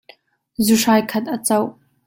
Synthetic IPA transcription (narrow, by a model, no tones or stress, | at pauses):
zuʂajkʰɐt̪̚ʔɐt͡sɐw